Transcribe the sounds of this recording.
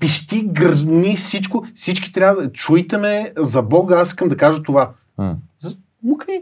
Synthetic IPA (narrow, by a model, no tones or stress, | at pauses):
piʃt̪iɡɐʒnisit͡ʃkʊsit͡ʃkʲi̥t̪ɾʲjavəd̪ət͡ʃujt̪ɛmɛzɐbɔɡəasiskəmd̪ɐkaʒət̪ova | z | muki